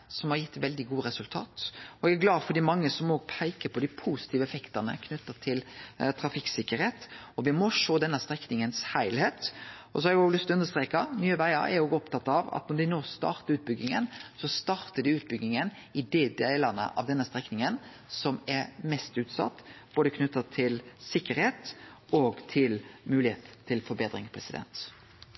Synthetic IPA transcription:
sɔmhɑɾjɪt̪ːʋɛld̪ɪɡuːɾɛsʉlt̪ʰɑ̰ːt̪ɔɛɡæɡlɑːfɔd̪iːmɑŋːəsɔmoːɡpʰæɪkəpʰɔd̪ɪpʰuːsɪt̪ʰiːʋəɛfɛkt̪ənə̰kʰnʉt̪ːət̪ʰɪlt̪ʰɾɑfɪksɪkːəɾeːt̪ɔʋɪmɔʂoːd̪ɛnːəst̪ɾɛknɪŋənshæɪlheːt̪ɔsɔhɑɾɛɡoːɡlʏst̪ɔʉnəɾst̪ɾeːkɑnyːəʋæɪə̰ɾɛ̰ɾoːɡɔp̚t̪ɑt̪ːɑʋɑ̰t̪nɔd̪ɪnoːst̪ɑ̰ːɾt̪əɾʉːt̪̚bʏɡːɪŋə̰nsɔst̪ɑːɾt̪ədɪʉːt̪̚bʏɡnɪŋən | ɪd̪eːd̪æɪlɑnə̰ʔɑ̰ʋd̪ɛnːəst̪ɾɛknɪŋən | sɔmɛɾmɛst̪ʉːt̪sɑ̰t̪ːb̥oːd̪əkʰnʉt̪ːət̪ʰɪlsɪkːəɾheːt̪ɔːɡt̪ʰɪlmʉːlɪheːt̪t̪ʰːɪlfɔɾbeːd̪ɾɪŋpʰɾɛsɪd̪ɛ̰nt̪

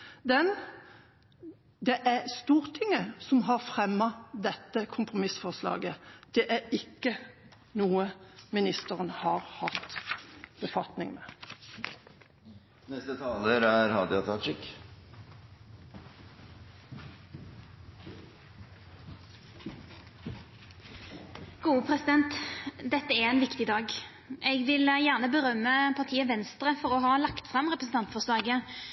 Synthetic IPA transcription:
d̪ɛn | d̪ɛʔæst̪uːʁt̪ʰɪŋːəsɔmɦɑʁfʁɛmːɑd̪ɛt̪ːəkʰʊmpʁʊmɪsfɔʁslɑ̰ːɡəd̪̥ɛʔæɾɪkːə | nuːəmɪnɪst̪əʁənhɑʁhɑt̪ | b̥əfɑt̪nɪŋmɛ̰ː | nɛst̪ət̪ʰɑːləɾæɾhɑd̪ɪɑt̪ʰɑt̪ɾɪkː | ɡ̥uːəpʰʁɛsɪd̪ɛnt̪d̪ɛt̪ːəæɛnʋɪkt̪ɪd̪ɑːɡ | ʔɛɡʋɪljæʁnəbəʁœmːəpʰɑʁt̪ʰiːəʋɛnst̪ɾəfɔʁɔɦɑːlɑkt̪fʁɑmʁɛpʁəsn̩t̪ɑnt̪fɔslɑːɡə

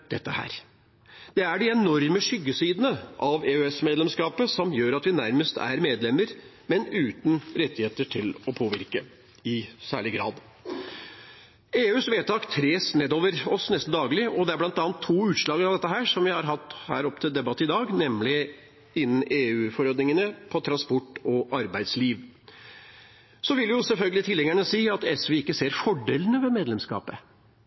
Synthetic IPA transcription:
d̪ɛt̪ːəhæ̰ːɾ | d̪̥ɛæɖɪɛnɔɾməʂʏɡːəsiːd̪ənəʔɑʋeːøɛsmeːd̪lɛmskɑːpəsɔmjøːɾɑt̪ʋɪnæɾməst̪ʰæ̰ɾmeːd̪lɛmːəɾ | mɛnʉːt̪nɾɛt̪ːɪheːt̪əʈʰɪlɔpʰoːʋɪɾkə | ɪsæ̰ːɭɪɡɾɑ̰ːd̪ | eːʉːsʋeːt̪ʰɑːkt̪ʰɾeːsneːd̪oːʋəɾɔsnɛst̪n̩d̪ɑːɡlɪɔd̪ɛæɾblɑnt̪ɑːnt̪ʰːuːʉːt̪ʂɭɑːɡɾɑʋd̪ɛt̪ːəɦæːʂɔmʋɪhɑɾɦɑt̪ːhæ̰ːɾɔpːət̪ʰɪld̪ɛbɑt̪ːəɪd̪ɑːɡnɛmlɪ | ɪnːn̩eːʉːfɔɾoːd̪nɪŋənəpʰɔt̪ʰɾɑnspɔʈːɔʔɑɾbæɪd̪sliːʋ | sɔʋɪlːjʊsɛlfœlɡəlɪt̪ʰɪlːɛŋæɳəsiːɑt̪ɛsʋeɪkːəseːɾfɔɖeːlənəʋɛmeːd̪lɛmskɑ̰ːpə

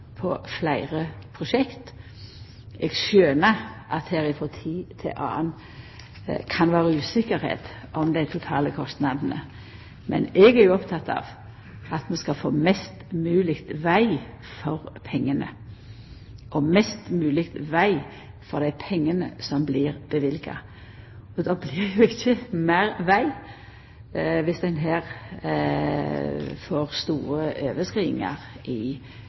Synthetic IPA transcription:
pʰɔflæɪʁəpʰʁʊʃɛkt̪ | ɛɡʃøːnəʔɑt̪hæːɾɪfɔt̪ʰiːt̪ʰɛ̰ʔɑ̰ːən | kʰɑnʋɑːʁəʉːsɪkːəɾhḛːt̪ | ʔɔmd̪æɪt̪ʰʊt̪ʰɑːləkʰɔst̪nɑd̪n̩ə̰ | mʔɛ̰nɛɡæʁjʊɔpt̪ʰɑt̪ːɑ̰ːʋ | ɑt̪mɛnskɑfo̰ːmɛst̪mʉːlɪkt̪ʋæɪ | fɔʁpʰɛŋːənə̰ | ʔɔmɛst̪mʉːlɪkt̪ʋæɪ | fɔʁd̪æɪpʰɛŋːənəsɔmblɪʁb̥əʋɪlɡɑ̰ | ɔd̪ɑːblɪʁjʊɪçːəmæːɾʋæɪ | ʋɪsd̪ɛnɦæːʁ | foːʁst̪uːɾəʔøːʋəskɾiːɪŋɑ̰ʁ | ʔɪ

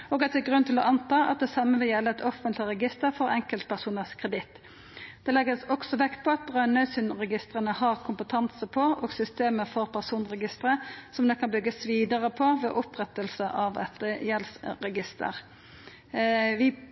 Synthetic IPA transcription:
oːɡɑt̪̚d̪ɛɡʁʉnt̪ʰɪlɔʔɑnt̪ɑːʔɑ̰t̪̚d̪ɛsɑmːəʋɪljɛlːəɛt̪ɔfənt̪lɪɾɛɡɪst̪əʁfɔʁɛŋkəlt̪̚pʰæʁsuːnəʁskʰʁɛd̪ɪt̪ː | d̪̥ɛlɛɡəsɔksɔʋɛkt̪̚pʰɔɑt̪̚bʁɑʏnœsʉnʁɛɡɪst̪ʁənəhɑʁkʰʊmpət̪ʰɑnsəpʰɔoːɡsʏst̪eːməfɔʁpʰæʁsuːnʁɛɡɪst̪ʁəsɔmd̪ɛkʰɑnbʏɡːəsʋiːd̪əʁəpʰɔʋḛːʔɔpʁɛt̪əlsəʔɑʋɛ̰t̪jɛlsɾɛɡɪst̪ə̰ʁ | ʋɪ

